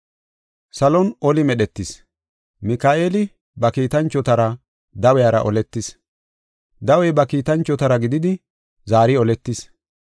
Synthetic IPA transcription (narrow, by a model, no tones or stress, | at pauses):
sɐlɔnʔɔlɪmɛɗɛt̪ːɪs | mɪkaːʔeːlɪ | bɐkiːt̪ɐnt͡ʃːɔt̪ɐɾɐ | d̪ɐwɛjaɾɐʔɔlɛt̪ːɪs | d̪ɐwɛjbɐkiːt̪ɐnt͡ʃːɔt̪ɐɾɐɡɪd̪ɪd̪ɪ | zaːɾɪɔlɛt̪ːɪs